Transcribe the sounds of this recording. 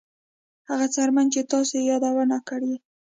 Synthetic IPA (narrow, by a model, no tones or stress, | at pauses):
haɣat͡saɾmant͡ʃet̪ɑsejɑd̪awanakəɽi